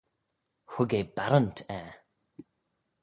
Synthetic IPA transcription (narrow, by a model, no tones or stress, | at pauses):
hʊɡebaɾəntʰɛ